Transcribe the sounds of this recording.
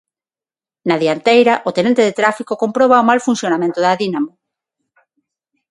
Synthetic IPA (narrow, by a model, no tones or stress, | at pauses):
naðiant̪ejɾaʔot̪enẽnt̪eðet̪ɾafikokompɾoβ̞aomalfun̟sjonamẽnt̪oðaðinamo